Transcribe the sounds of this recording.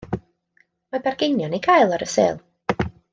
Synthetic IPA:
mabɛrɡejnjɔnikʰaːjlˠɔɾəsḛːlˠ

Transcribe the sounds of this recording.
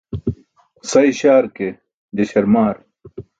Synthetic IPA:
sɐjɕaːɾke | d͡ʑ̪eɕɐɾmaːɾ

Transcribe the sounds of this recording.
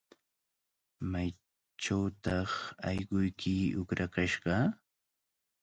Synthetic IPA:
maj | ʈ͡ʂawt̪ɑχɑjɢʊjkʰɪʊkɾakaʃɢɑ

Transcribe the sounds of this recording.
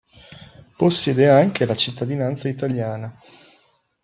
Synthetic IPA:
posːɛːd̪eaŋkelat͡ʃit̪ːad̪inant̪sait̪aljaːna

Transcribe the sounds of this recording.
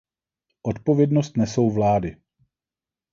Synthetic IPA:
ʔot̪po̞vjɛdnost̪nɛso̞wvlaːdɪ

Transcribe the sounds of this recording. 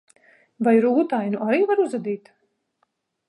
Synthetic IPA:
vajɾuːt̪ajnuʔaɾiːvaɾuzad̪iːt̪

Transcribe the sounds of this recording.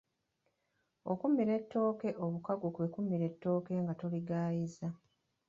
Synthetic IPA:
o̞̰kumiɾe̞tːo̞ːke̞ʔo̞βukaɡukwe̞kumːiɾe̞tːo̞ːke̞ŋɡato̞liɡaːjiza

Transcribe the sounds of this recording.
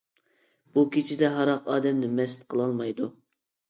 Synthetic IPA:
b̥ukʲʰet͡ʃʰɪd̪ɛɦɑɾɑqɑːd̪ɛmnɪmɛsɪ̥t̪̚qʰəlˠɑlˠmɑjd̪u

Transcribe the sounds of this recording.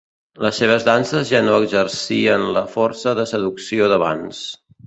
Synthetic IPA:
ləsːeβ̞əzðansəzʒanoəɡzərsiənləfɔrsəðəsəðuksioðəβa̰ns

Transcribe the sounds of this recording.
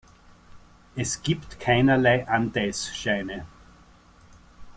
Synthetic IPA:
ɛsɡ̥iːptkʰaɪnɐlaɪʔantɛɪsʃaɪnə

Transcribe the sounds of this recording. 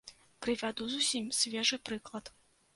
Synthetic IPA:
kɾɨvʲad̪uzusʲimʲsʲvʲɛʐɨpɾɨklˠɐt̪

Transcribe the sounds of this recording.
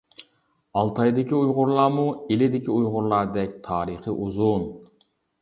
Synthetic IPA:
ɑlˠt̪ʰɑjd̪ɪkʲiujʁʊɾlˠɑːmuelɪd̪ɪkʲiujʁʊɾlˠɑɾd̪ɛkʲt̪ʰɑːɾɨχəʔuzun

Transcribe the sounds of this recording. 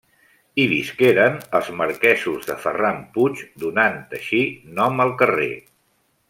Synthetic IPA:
iβiskeɾənəlˠzməɾkɛzuzðəfə̰ramput͡ʃd̪unant̪əʃinɔməlˠkərḛ

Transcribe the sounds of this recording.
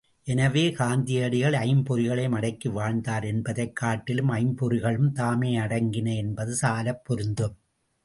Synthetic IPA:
ʔɛnɐʋeːkaːnd̪ɪjɐɽɪɣɐɭɐɪmpɔɾɪɣɐɭɐɪmɐɽɐɪkːɯʋaːɻd̪aːɾɛnbɐðɐɪkːaːʈːɪlɯmɐɪmpɔɾɯɣɐɭɯmt̪aːmeːɐɽɐŋɡɪnɐɛnbɐðɯsaːlɐpːɔɾɯnd̪ɯm

